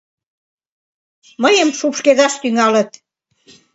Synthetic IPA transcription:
məjəmʃupʃkeðɑʃt̪yŋɑlə̆t̪̚

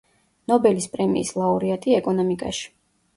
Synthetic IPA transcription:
nɔbɛlispʼɾɛmḭːslˠauɾiat̪ʰʼiɛkʼɔnɔmikʼa̰ʃi̥

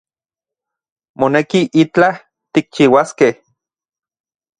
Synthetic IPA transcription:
monekiʔit͡ɬa | t̪ik̚t͡ʃiwaskeh

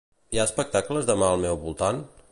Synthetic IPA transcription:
iaəspək̚t̪akləzðəmaəlˠmɛwβulˠt̪an

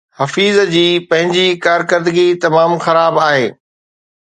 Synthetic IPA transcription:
hɐfiːzd͡ʑiːpɐ̃ɦɪ̃ɲd͡ʑikaːɾkəɾd̪ɪɡit̪ɐmaːmxɐɾaːbaːɦeː

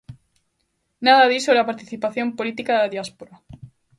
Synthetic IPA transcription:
naðaðisoβapaɾt̪iθipaθjompolit̪ikaðaðjaspoɾa

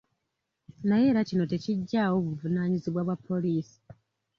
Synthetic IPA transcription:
naje̞ːɾacino̞te̞ciɟːawo̞ːβuvunaːɲiziβwaβwapːo̞liːsi̥

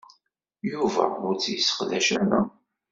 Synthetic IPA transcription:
juvæ̰ʊɾt͡sːjəsːə̥qðæʃæɾa

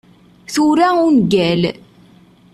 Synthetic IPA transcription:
θuɾæʊnɡæl

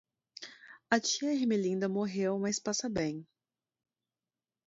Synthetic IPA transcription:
ɐt͡ʃiɐɦimelĩnd̪ɐmoɦewmɐjspasɐbẽj̃

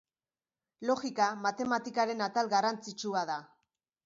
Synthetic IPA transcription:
lo̞ɣikamat̪e̞mat̪ikaɾe̞nat̪alɣarant͡sit͡ʃuaða

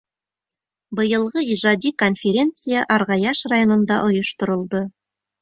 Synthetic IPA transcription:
bɤ̆jɤ̆lˠʁɤiʒɑd̪ʲiko̞nfʲeɾʲe̞nt̪sɨjaʔɑɾʁɑjɑʃrajo̞nɤ̆nd̪ɑ̰ʔŏjŏʃt̪ŏɾɤ̆lˠd̪ɤ

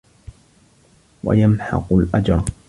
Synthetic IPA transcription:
wa̰jamħɑ̰qʊlʔad͡ʒɾ

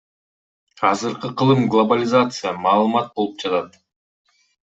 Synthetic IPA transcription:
ɑzɯɾqɯqʰɯlˠɯmɡlˠobalʲɪzat̪sɨjamɑːlˠɯmɑt̪̚bo̞lˠup̚d͡ʒɑt̪ɑt̪

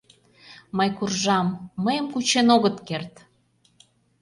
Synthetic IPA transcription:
məjkurʒɑmːəjəmkut͡ɕenoɣət̪kert̪

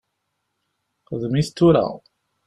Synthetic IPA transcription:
qəðmiθt̪ːuɾæ̰

